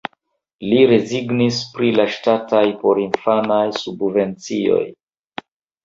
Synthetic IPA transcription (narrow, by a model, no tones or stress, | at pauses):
liɾe̞ziɡnispɾilaʃtatajpo̞ɾinfanajsubve̞nt͡sio̞̰j